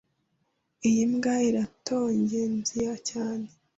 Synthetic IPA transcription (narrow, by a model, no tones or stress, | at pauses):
ijimɡaiɾatʰo̞ːɲɟenzijacaːne